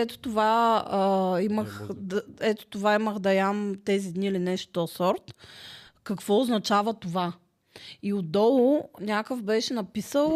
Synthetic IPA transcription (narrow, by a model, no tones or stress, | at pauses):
ɛt̪o̥t̪ova | iməxd̪ɛt̪o̥t̪ovaiməxd̪ɐjamt̪ɛzid̪niːlinɛʃt̪o̥t̪ɔsɔɾt̪ | kɐkvɔʊznɐt͡ʃavət̪ova | iʊd̪ɔlˠʊnʲakəfbɛʃɛnɐpisəlˠ